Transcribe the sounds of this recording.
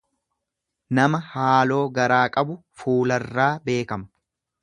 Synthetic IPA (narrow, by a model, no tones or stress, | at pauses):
nɐmɐhaːlo̞ːɡɐɾaːkʼɐbʊfuːlɐrːaːbe̞ːkɐmʊ̥